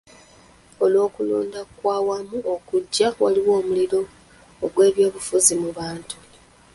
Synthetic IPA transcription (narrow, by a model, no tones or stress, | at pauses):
o̞lwo̞ːkulo̰ːndakwaːwamuʔokuɟːawaliwo̞ːmuliɾo̞ː | ɡwe̞ːβjo̞ːβufuzimuβaːntu̥